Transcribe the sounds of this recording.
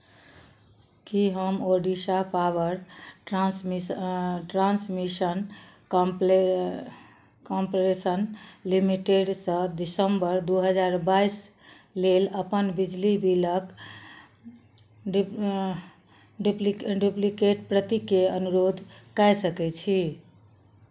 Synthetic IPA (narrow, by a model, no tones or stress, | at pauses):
kiɦəmoɖisapabəɾʈɾasiʈɾansmisənkmpe | kampɾesənlimiʈeɖsə̃d̪isəmbəɾd̪uɦəd͡ʒaɾbais | leləpənbid͡ʒlibilək | ɖ | ɖuplɖuplikeʈ̚pɾət̪ikeənuɾod̪ʱkɛjsəkɛt͡ʃʰi